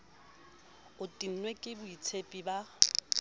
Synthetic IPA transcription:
ʊtʼin̩nwekʼɪbʊit͡sʰepʼiba

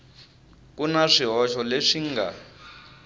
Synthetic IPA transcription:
k̬unaʂiɦɔʃɔleʂiŋɡa̰

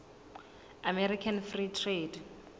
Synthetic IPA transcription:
amɛɾikʰanfritʰred

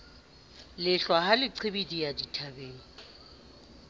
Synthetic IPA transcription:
lɪɬwaɦalɪǀʰebidijaditʰabeːŋ̩

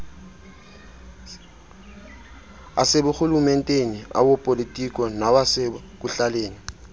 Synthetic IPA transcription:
a̰sebʊxulumɛn̩tʼenia̰bopʼolitʼikʼɔnabasek̬ʼuɬaleːni

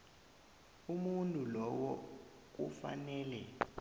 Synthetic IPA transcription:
umuntʼulɔwɔ | k̬ufa̰nɛːlɛ

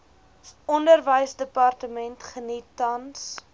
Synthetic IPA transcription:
ɔndərvəjsdəpɑrtəmɛntχənitːɐns

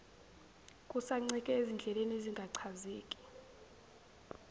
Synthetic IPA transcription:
kʼusaŋ͡ǀikʼɛezind͡ɮʱɛleneziŋɡʱaǀʰazeːkʼi̥

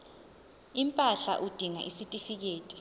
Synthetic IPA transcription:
impʼaɬa̰ʔud̥ʱiŋa̰ʔisitʼifik̬eːtʼi̥

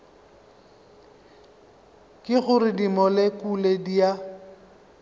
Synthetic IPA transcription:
kʼɪɣʊrɪdimɔlekʼuledia

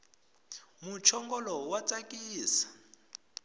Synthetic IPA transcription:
mut͡ʃʰɔŋɡɔlɔwat͡sakʼiːsḁ

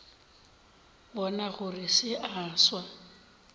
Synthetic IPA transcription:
bɔnaɣʊrɪsɪʔaːswa

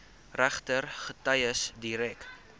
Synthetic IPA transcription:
ræχtərχətɐjəsdiɾɛk

